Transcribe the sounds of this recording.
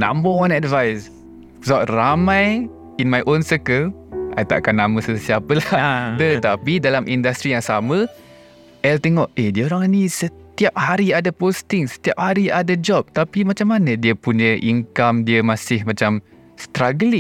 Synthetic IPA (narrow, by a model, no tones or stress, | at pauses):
nã̰mbəɔ̃nɛdvajs | ɡɔʔramãj | inmajʔonsəkəlʔa̰jt̪a̰ʔkanːaməsəsiapəladət̪apidalamʔindast̪ɾijaŋsamə | ʔɛlt̪eŋɔʔediəoɾaŋnisət̪iap̚haɾiadapost̪ɪŋsə̥t̪iap̚haɾiʔadad͡ʒɔp̚t̪apimat͡ʃamːanədiəpuɲəʔiŋkamdiəmasɪhmat͡ʃam | st̪ɾaɡəli